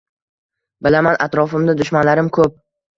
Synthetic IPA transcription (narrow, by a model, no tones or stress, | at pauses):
bɪlamanat̪ɾɒfɪmd̪ad̪ʊʃmanlaɾɪmkʰɵp̚